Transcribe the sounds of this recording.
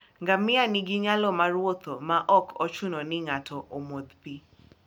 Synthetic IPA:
ŋɡamɪaniɡɪɲalɔmaɾwot̪omaʔɔkʰɔt͡ʃʊnɔnɪŋatʰɔʔomod̪pi

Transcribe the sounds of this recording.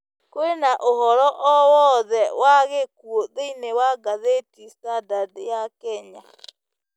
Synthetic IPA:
koenaʔoɦɔɾɔʔɔwɔðɛwaɣekwoðeinewaɡaðetisadaðejakɛɲa

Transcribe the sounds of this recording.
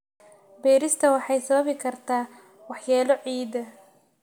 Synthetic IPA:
bɛːɾɪst̪ʰɐwɑħɑjsɐβɐβɪkʰɐrt̪ʰaː | wɑħjaːlɔʕiːd̪ɐ

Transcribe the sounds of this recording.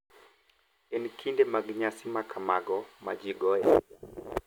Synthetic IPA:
ɛnikʰindɛmaɡɲasimakʰamaɡɔmad͡ʒiɡɔjɛ̰

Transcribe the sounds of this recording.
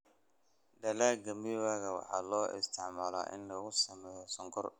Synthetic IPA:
d̪ɐlaːɡɐmɪβaːɣɐwɑ̰ħɑ̰ːlɔːʔɪ̰st̪ʰɪʕmaːla̰ːʔɪ̰nlɐɣʊsɐmɛːjɔsɔŋkʰɔr

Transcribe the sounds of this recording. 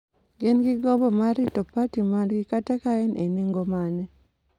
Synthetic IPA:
ɡenɡɪɡɔbɔmaɾɪtɔpatimanɡɪkatakaɛnʔeniŋɡomanɛ

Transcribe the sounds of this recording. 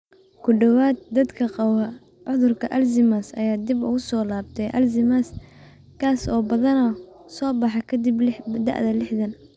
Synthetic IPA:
kʰʊɖɔwaːd̪̚d̪ɐd̪kʰɐqɑwɐ | ʕʊðʊrkʰɐʔɐlsɪmasɐ̰jaːd̪ɪbʊ̰ɣʊsɔːlaːbt̪ʰɛjʔɐ̰lzɪmas | kʰaːsɔːbɐðɐnɐ | sɔːbɑħɑkʰɐd̪ɪblɪd̪ɑ̰ʕʔðɐlɪħðɐn

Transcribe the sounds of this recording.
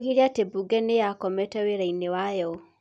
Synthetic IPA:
ɣiɾiatebuɡɛnejakɔmɛtɛweɾainewajɔ

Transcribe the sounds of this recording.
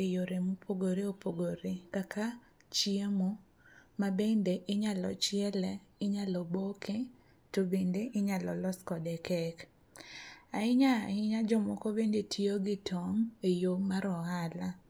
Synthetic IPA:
ejoɾemupʰoɡoɾeopoɡoɾekakʰa | t͡ʃiemo | mabendeʔɪɲalɔ̰t͡ʃɪɛlɛɪɲalɔbokʰe | tobendeʔɪɲalɔlɔskɔdɛkɛk | aɪɲaɪɲad͡ʒɔmɔkobendetʰioɡɪtʰɔŋejomaɾɔɦala

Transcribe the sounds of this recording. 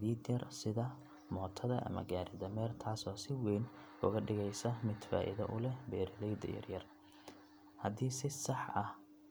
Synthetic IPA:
ðiːd̪jɐrsɪðɐ | mɔːt̪ʰɐðɐʔɐ̰mɐ̰ɡaːɾɪðɐmɛːrt̪ʰaːsɔːsɪwɛjnʊɣɐɖɪɣɛjsɐmɪd̪fa̰ːʔɪ̰ðɐʔʊlɛbɛːɾɪlɛjd̪ɐ̰jɐ̰rjɐr | hɐðiːsɪsɐħʔɐh

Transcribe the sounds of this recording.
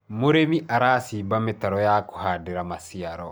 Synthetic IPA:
moɾemiʔaɾaːsiːbametaɾɔjako̥haːdeɾamasiaɾɔ

